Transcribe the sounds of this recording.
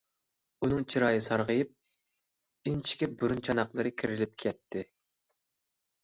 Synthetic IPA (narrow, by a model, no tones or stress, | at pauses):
unɨŋt͡ʃʰiɾɑːjɨsɑɾʁəjɨp̚ | int͡ʃʰi̥kʲɛbuɾunt͡ʃʰɑnɑqlˠɨɾɨkʲʰiɾɪlɪp̚kʲʰɛt̪ʰːɪ